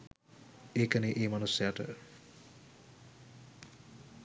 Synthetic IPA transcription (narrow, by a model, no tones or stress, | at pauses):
ekɐneʔejmanusaʈə̰